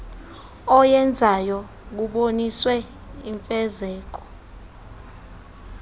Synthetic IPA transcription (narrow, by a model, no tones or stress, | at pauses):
ɔjɛnd͡zʱajɔ | k̬uɓoniswɛ | iɱfɛzɛːk̬ɔ̥